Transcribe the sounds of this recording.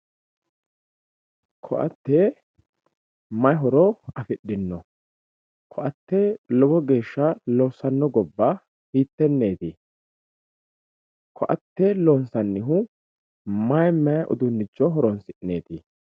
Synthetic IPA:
kʰɔ̰ʔɐ̰t̪ːɛ | mɐjɦɔɾɔɐfɪɗːɪnːɔ | kʰɔʔɐt̪ːɛlɔbɔɡe̞ːʃːɐlɔsɐnːɔɡɔbːa | hiːt̪ːɛnːe̞ːt̪ɪ | kʰɔʔɐt̪ːɛlɔːnsɐnːɪɦʊ | mɐjmɐjɐʔʊ̰d̪ʊnːɪd͡ʒːɔɦɔɾɔnsɪʔne̞ːt̪ɪ

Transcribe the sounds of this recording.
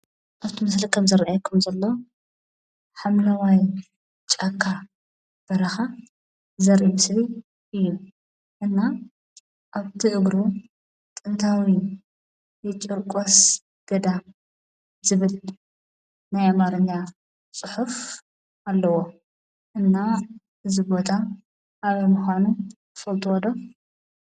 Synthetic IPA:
ʔaβt̪ʰimɨslikʰɐmzɨɾʔajkʰɐmzɐlːo̞ | ħamlawaj | t͡ʃʼakʰːa | b̥ɐɾɐxa | zɐɾʔimɨsli | ʔɨjːu | ʔɨnːa | ʔaβt̪ʰiʕɨɡɾu | t̪ʼɨnt̪ʰawi | jɛt͡ʃʼɨɾkʼos | ɡ̥ɐd̪a | zɨβɨl | najamaɾɨɲːa | t͡sʼɨħuf | ʔalːɐwo | ʔɨnːa | ɨzɨbo̞t̪ʰa | ʔːβmuxanukʰɨfɐlt̪ʼuwɔd̪o̞

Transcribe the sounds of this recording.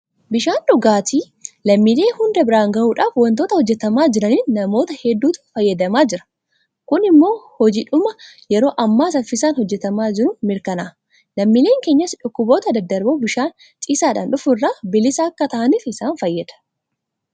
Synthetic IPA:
bɪʃaːnᶑʊɡaːt̪iː | lɐmːile̞ːhʊnd̪ɐbɪɾaːŋɡɐʔuːᶑaːfwɐnt̪o̞ːt̪ɐhɔd͡ʒːɛt̪ɐmaːd͡ʒɪɾɐniːnːɐmo̞ːt̪ɐhɛd̪ːuːt̪ʊ̥fɐjːɐd̪ɐmaːd͡ʒɪɾɐ̥ | kʊnɪmːo̞ːhɔd͡ʒɪᶑʊmɐjɛɾo̞ːʔɐmːaːsɐfɪsaːnhɔd͡ʒːɛt̪ɐmaːd͡ʒɪɾʊmɪɾkɐnaː | lɐmːile̞ːŋkeːɲːɐsᶑʊkːʊbo̞ːt̪ɐd̪ɐd̪ːɐɾboːbɪʃaːn | t͡ʃʼiːsaːᶑaːnᶑʊfʊrːaːbɪlɪsɐːkːɐt̪ɐʔɐniːfɪsaːnfɐjːɐd̪̥ɐ̥

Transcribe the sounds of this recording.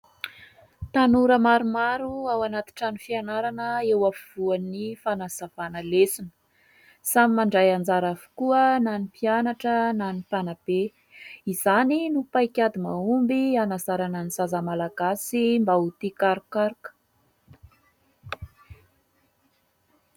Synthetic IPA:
t̪anuɾəmaɾumaɾuawanat̪i̥ʈ͡ʂanifianaɾanəewafiv̥uanifanaz̥avanəlesinə | samimaɳɖ͡ʐajand͡zaɾavu̥kuənanipianaʈ͡ʂənanipanab̥e | izaninupajkʲad̪imaumbianazaɾanəniz̥azəmalaɡasimbaut̪ikaɾukaɾkə̥

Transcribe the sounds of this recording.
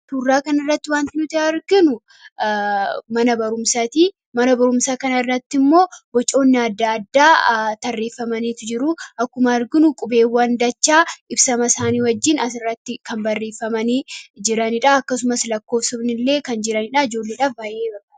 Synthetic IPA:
t̪uːrːaːkɐnɐrːɐt̪ːɪwaːnt̪ɪnʊt̪ɪɐɾɡɪnʊ | mɐnɐbɐɾʊmsɐt̪i | mɐnɐbɐɾʊmsaːkɐnɐrːɐt̪ːɪmːo̞ːbɔt͡ʃʼo̞ːnːɪɐd̪ːaɐd̪ːaːt̪ɐrːeːfːɐmɐniːt̪ʊd͡ʒɪɾʊʔɐkːʊmɐɐɾɡɪnʊkʼʊbe̞ːwːɐnd̪ɐt͡ʃːaːʔɪbsɐmɐsaːniːwɐd͡ʒːɪnɐsɪrːɐt̪ːɪkɐmbɐrːeːfːɐmɐniːd͡ʒɪɾɐnɪᶑaɐkːɐsʊmɐslɐkːoːfsʊbnɪlːe̞ːkɐnd͡ʒɪɾɐnɪᶑaːɪd͡ʒo̞ːlːeːᶑaːfbaːjeːbɐa

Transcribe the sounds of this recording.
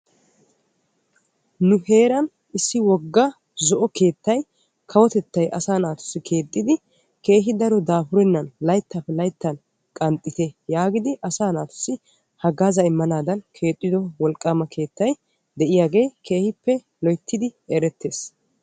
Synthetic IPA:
nʊhe̞ːɾɐn | ɪsːɪwɔɡːɐ | zɔʔɔke̞ːt̪ːɐj | kʰɐwɔt̪ɛt̪ːɐjʔɐ̰saːnaːt̪ʊ̥sːɪkʰe̞ːt̪ʼːɪd̪ɪ | ke̞ːɦɪd̪ɐɾɔd̪aːfʊɾɛnːɐnlɐjt̪ːapːɛlɐjt̪ːɐn | kʼɐnt̪ʼːɪt̪ɛjaːɡɪd̪ɪʔɐsaːnaːt̪ʊ̥sːɪ | hɐɡaːzɐɪmːɐnaːd̪ɐnkʰe̞ːt̪ʼːɪd̪ɔwɔlkʼːaːmɐkʰe̞ːt̪ːɐj | d̪ɛʔɪjaːɡe̞ːkʰe̞ːhɪpːɛ | lɔjt̪ʰːɪd̪ɪeɾɛt̪ːe̞ːs

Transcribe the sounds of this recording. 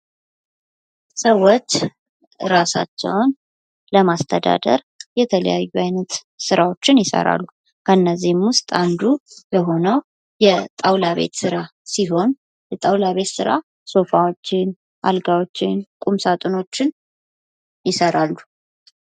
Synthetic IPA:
səwːot͡ʃː | ɾasa̰t͡ʃːɛ̰wn | ləmast̪ʰəd̪a̰d̪ə̰ɾ | jɛt̪ʰələ̰jajːuajnət̪ | sɨɾawo̞t͡ʃːɪnjɪsə̰ɾa̰lːu | kʰənːəzːihmwʊst̪ʼand̪ubəɦo̞nəw | jɛt̪ʼawlaβe̞̰t̪sɨɾa | siɦo̞n | jɛt̪ʼawlaβe̞t̪sɨɾa̰ | so̞fawot͡ʃːɪn | ʔa̰lɡawot͡ʃːɪnkʼumsat̪ʼɨno̞t͡ʃːɪn | jɪsəɾalːu

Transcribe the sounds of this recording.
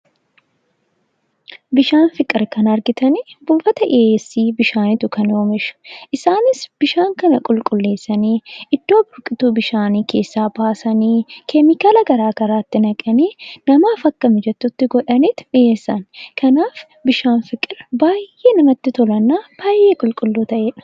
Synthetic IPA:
bɪʃaːnfɪkʼɪɾkɐnɐɾɡɪt̪ɐnibuːfɐt̪ɐʔeeːsːiːbɪʃaːnɪt̪ʊkɐnoːmɪʃɐ̥ʔɪsaːnɪsb̥ɪʃaːŋkɐnɐkʼʊlkʼʊlːe̞ːsːɐniːʔɪd̪ːoːbʊɾkʼɪt̪uːbɪʃaːniːkʰe̞ːsːaːbaːsɐniːkʰɛmɪkaːlɐɡɐɾaːɡɐɾaːt̪ːɪnɐkʼɐniːnɐmaːfɐkːɐmɛd͡ʒɛt̪ːʊt̪ːɪɡɔᶑɐniːt̪ɪ̥ᶑɪeːsːɐnkɐnaːf | bɪʃaːnfɪkʼɪɾbaːjʔe̞ːnɐmɐt̪ːɪt̪ɔlɐnːaːb̥aːjʔe̞ːkʼʊlkʼʊlːoːt̪ɐʔeːᶑɐ̥

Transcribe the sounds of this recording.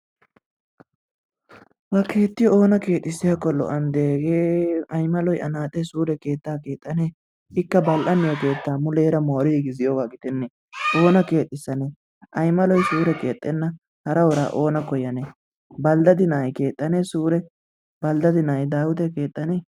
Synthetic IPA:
bɐke̞ːt̪ːɪjɔo̞ːnɐke̞ːt̪ʼːɪsɪjakːɔlɔ̰ʔɐnd̪e̞ːɡeːɐjmɐlɔjʔɐnaːt̪ʼːɛsuːɾɛke̞ːt̪ːaːke̞ːt̪ʼːɐneː | ɪkːɐbɐlʔɐnːɪjɔke̞ːt̪ːaːmʊleːɾɐmoːɾɪɡɪzɪjoɡaːɡɪt̪ɛnːɛ | ʔo̞ːnɐke̞ːt̪ʼːɪsːɐne | ʔɐjmɐlɔjsuːɾɛke̞ːt̪ʼːɛnːɐ | hɐɾɐwɔɾa̰ːʔo̞ːnɐkɔjɐnɛ | bɐld̪ɐd̪ɪnajke̞ːt̪ʼːɐnesuːɾɛ | bɐld̪ɐd̪ɪnɐjd̪aːwʊt̪ɛke̞ːt̪ʼːɐne

